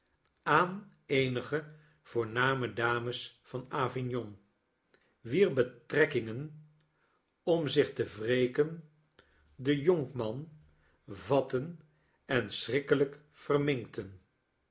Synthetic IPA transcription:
aːn | ejnəχə | v̥ʊːɹnaːmədaːməsfɑnaːvɪnjɔŋ | ʋiːrbətrɛkɪŋən | ɔmzɪχtəvreːkən | dəjɔŋkmɑn | vɑtən | ɛnsrɪkələk | fərmɪŋktən

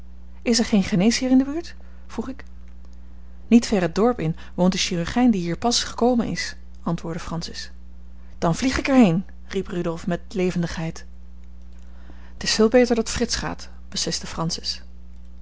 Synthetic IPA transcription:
ɪsɛɹχejnχənejshiːɹɪndəbyːɹt | fruχɪk | nitfɛrɦədɔɹpɪn | ʋowntdəʃiryɹχɛjndiɦiːɹpɑsχə̥kowmənɪ̰s | ʔɑntʋʊːɹdəfrɑnsɪs | d̥ɑnvliχɪkɛɹɦejn | riprydɔlˠfmɛtlejvəndəχɦɛjt | ətɪsfɪːlˠbejtəɹdɑtfrɪtsχa̰ːt | b̥əsɪstəfrɑnsɪ̥s

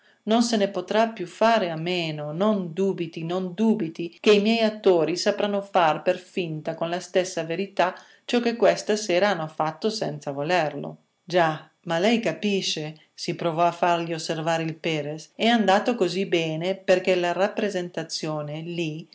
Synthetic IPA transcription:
nonsenepot̪ɾapːjufaːɾeamːeːnonond̪uːbit̪inond̪uːbit̪ik̟eimjɛjat̪ːoːɾisapɾanofarperfint̪akonlast̪ɛsːaveɾit̪a | t͡ʃɔk̟ːekːwɛst̪asɛːɾaanːofat̪ːosɛnt̪savolɛrlo̰ | d͡ʒa | malɛjkapiʃːe | sipɾovɔafːarʎiosːervaːɾeilpɛːɾesɛand̪aːt̪okozibɛːneperk̟elarapːɾezent̪at̪sːjoːneli

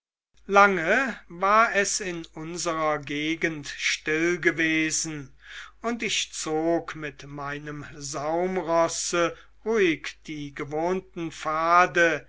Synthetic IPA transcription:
laŋəvaːɐɛsɪnʊnzəʁɐɡeːɡəntʃtɪlɡəveːzn̩ | ʊntɪʃt͡soːkmɪtmaɪnəmzaʊmʁɔsə | ʁuːɪkd̥iːɡəvoːntn̩faːdə

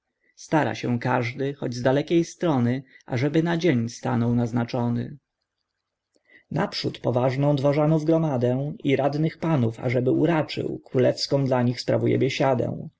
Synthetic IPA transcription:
st̪aɾa̰ɕɛ̃kaʐd̪ɘxɔd͡ʑzd̪alɛkʲejst̪ɾɔnɘʔaʐɛbɘnad͡ʑeɲst̪a̰nɔwnaznat͡ʂɔnɘ̰ | na̰pʂut̪pɔvaʐnɔ̃w̃d̪vaʐanɔvɡɾɔmad̪ɛ̃iɾad̪nɘxpanufa̰ʐɛbɘuɾat͡ʂɘ̰wkɾulɛfskɔ̃w̃d̪laɲixspɾavujɛ̰bʲjɛɕad̪ɛ̰w̃

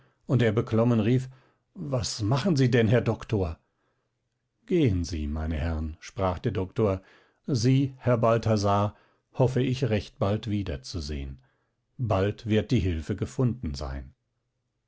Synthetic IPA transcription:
ʔʊnteːɐbəkʰlɔmənʁiːf | vasmaχn̩ziːdɛnhɛɐdɔktoːɐ | ɡ̥eːənzḭːmaɪnəhɛʁənʃpʁ̥aːχd̥eːɐdɔktoːɐ | ziːhɛɐbaltʰazaː | hɔfəɪçʁɛçt̚b̥altv̥iːdɐt͡suzḛːən | baltv̥ɪɐt̚d̥iːɦɪlfəɡəfʊndn̩za̰ɪn

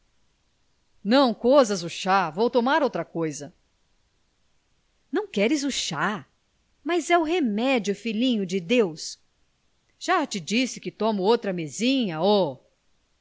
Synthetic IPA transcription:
nɐ̃w̃kozɐzʊʃavowt̪omaɾowt̪ɾɐkojzɐ | nɐ̃w̃kɛɾɪzʊʃa | mazɛʊɦemɛd͡ʒiʊfilĩɲʊd͡ʒɪd̪ews | ʒ̥at͡ʃɪd͡ʒisɪkɪt̪õmʊowt̪ɾɐmezĩɲɐo

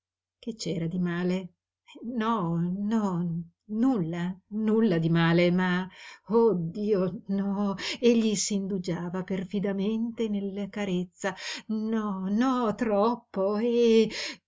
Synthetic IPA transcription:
ket͡ʃːɛːɾad̪imaːle | nɔnɔ | nulːanulːad̪imaːlemaod̪ːiːonɔeʎːisiːnd̪ud͡ʒaːvaperfid̪ament̪enelːakaɾet̪sːanɔnɔt̪ɾɔpːoe

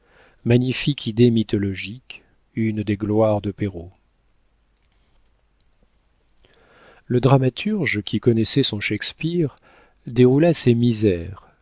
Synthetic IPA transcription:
maɲifikʰid̪emit̪ɔlɔʒik | ynd̪eɡlwaʁd̪əpeʁo | ləd̪ʁamat̪ʰyʁʒkʲikɔnɛsɛsɔ̃ʃɛkspiʁ | d̪eʁulasemizɛʁ

